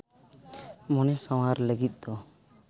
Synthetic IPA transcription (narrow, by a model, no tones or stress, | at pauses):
mɔnɛsɔw̃aɾləɡit̪̚d̪̥ɔ